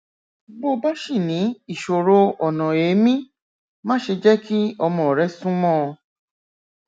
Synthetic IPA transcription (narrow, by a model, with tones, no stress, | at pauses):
ɡ͡bo˦˧ba˦ʃi˦˨nĩ˨˦i˦˨ʃo˨ɾo˧ɔ˨nɔ̃˨e˨˦mĩ˦ | mã˦ʃe˧d͡ʒɛ˦ki˦ɔ˧mɔ̃˨ɔ˨ɾɛ˨˦sũ˦mɔ̃˦˧